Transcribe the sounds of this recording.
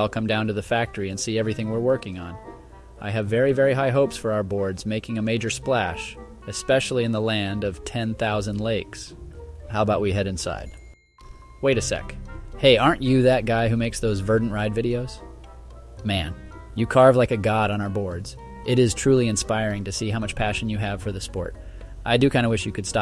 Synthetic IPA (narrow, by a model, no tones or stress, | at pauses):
aɪlˠkʰʌ̃mdãʊ̃ntɨðɨfæk̚tə˞iɨ̃nsiɛvɹiθɪ̃ŋwɪɹwɜ˞kɪ̃ŋə̃n | ʔaɪɨvːɛɹivɛɹiɦaɪɦoʊpsfə˞aʊə˞bɔɹdzmeɪkɪ̃ŋɨmeɪd͡ʒə˞splæʃ | ɨspɛʃl̩ˠiɨ̃nðəlæ̃ndʌv̥tʰɛ̃nθaʊzə̃ndˡleɪkshaʊəbaʊʔ̚wiɦɛɾɨ̃nsa̰ɪd̥̚ | weɪɾɨsɛ̰kheɪʔɑɹnt͡ʃɨðɨt̚ɡ̥aɪɦʉmeɪksðoʊzvɜ˞dⁿn̩ɹaɪdvɪɾioʊz̥ | mæ̃n | jɨkʰɑɹvlaɪkɨɡɑɾn̩aʊə˞bɔɹdz̥ | ʔɪɾɪz̥tʰɹ̥ʉlˠiɨ̃nspaɪɹɪ̃ŋtɨsiɦãʊmʌt͡ʃpʰæʃɨ̃n̩jɨɨv̥fə˞ðɨspɔ̰ɹɾ | ʔaɪdɨkʰãɪ̃dəwɪʃjɨkʰɨd̥stɑ